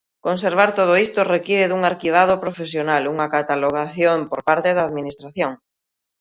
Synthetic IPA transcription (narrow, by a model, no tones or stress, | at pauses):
kons̬eɾβaɾt̪oð̞oist̪orekiɾeðuŋaɾkiβ̞að̞opɾofesjonaluŋakat̪aloɣ̞aθjompoɾpaɾt̪eðaːðminist̪ɾaθjoŋ